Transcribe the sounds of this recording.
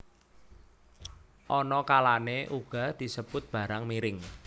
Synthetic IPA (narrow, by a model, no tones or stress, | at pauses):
ʔɔnɔkalaneʔuɡ̥a̤d̪̥i̤səb̥ʊt̪̚b̥a̤ɾaŋmiɾɪŋ